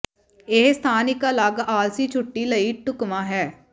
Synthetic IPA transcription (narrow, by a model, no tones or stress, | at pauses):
ɪɦst̪ʰaːnɪkələɡaːlsiːt͡ʃʰʊʈːiːləiːʈʊkmãːɦɛː